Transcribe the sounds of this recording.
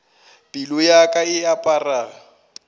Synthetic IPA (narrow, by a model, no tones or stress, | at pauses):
pʼilʊjakʼaɪapʼaːraː